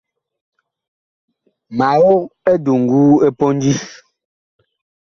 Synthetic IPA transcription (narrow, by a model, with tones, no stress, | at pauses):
ma˨wo˦k̚e˦du˨ŋ̩˨ɡu˦e˦pɔ˦n˦d͡ʒi˦s